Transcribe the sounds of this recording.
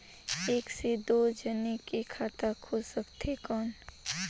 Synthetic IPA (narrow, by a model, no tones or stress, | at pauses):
eːksed̪oːd͡ʒənikekʰaːt̪akʰʊsəkt̪ɦekɔːn